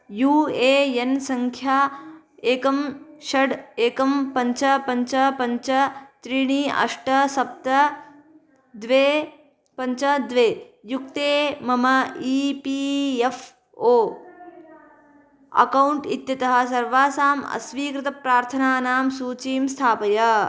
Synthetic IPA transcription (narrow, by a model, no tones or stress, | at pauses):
juːeːjensɐŋkʰjaː | eːkɐmʃɐɖeːkɐmpɐɲt͡ʃɐpɐɲt͡ʃɐpɐɲt͡ʃɐt̪ɾiɳiːɐ̰ʂʈɐsɐp̚t̪ɐ | d̪ʋeː | pɐɲt͡ʃɐd̪ʋeː | juk̚t̪eːmɐmɐiːpiːjef | oː | ɐ̰kɐwɳʈit̪jɐt̪ɐɦɐ̆sɐɾʋaːsaːmɐ̰sʋiːkɾɪt̪ɐpɾaːɾt̪ʰɐnaːnaːmsuːt͡ʃiːmst̪ʰaːpɐjɐ